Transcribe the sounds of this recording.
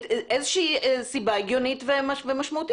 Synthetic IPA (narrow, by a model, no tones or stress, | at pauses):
ʔezeʃiisibaeɡjo̞nitvemavemaʃmaut̪